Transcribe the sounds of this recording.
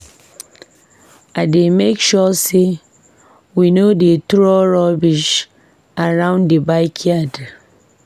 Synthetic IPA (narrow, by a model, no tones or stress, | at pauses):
ademekʃɔse | winodetɾɔɾɔbiʃ | aɾãʊ̃ndebaɪkʰjad